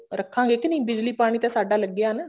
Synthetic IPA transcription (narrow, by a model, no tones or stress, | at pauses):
ɾɐkːaːŋɡekːɯnĩːbɪd͡ʒlipaːɳit̪ːɐsɐɖːaːlɐɡːɪjaːnɯ